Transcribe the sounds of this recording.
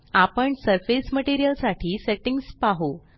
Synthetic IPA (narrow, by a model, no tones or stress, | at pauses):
apəɳsəɾfesməʈiɾijəlsaʈʰiːseʈiŋɡspaɦo